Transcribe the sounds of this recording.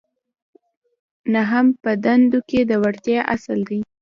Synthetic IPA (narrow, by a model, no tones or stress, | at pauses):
naɦampəd̪and̪oked̪əwaɽt̪jɑʔasəld̪i